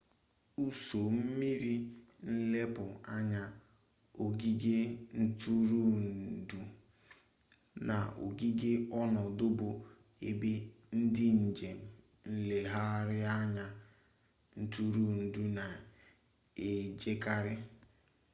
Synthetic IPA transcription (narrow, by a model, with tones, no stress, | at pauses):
u˦so˨m̩˦mi˦ɾi˦n̩˦le˦pʊ˨a˦ɲa˦ | o˨ɡi˦ɡe˦n̩˦tʰu˦ɾu˦n̩˨du˦ | na˨o̰˨ɡi˦ɡe˦ɔ˦nɔ˨dʊ˦bʊ˨ | e˨be˦ | n̩˦dɪ˦n̩˨d͡ʒe˨m̩˨ | n̩˦le˨ɦa˦ɾɪ˦a˦ɲa˦ | n̩˦tu˦ɾu˦n̩˨du˦na˨ | e˨d͡ʒe˦ka˦ɾɪ˦